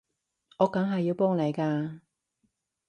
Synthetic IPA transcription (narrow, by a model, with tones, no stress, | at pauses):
ɔː˨˧kɐ˨˥ŋɦɐ˨ji˨˧wpɔː˥ŋle˨˧jkaː˧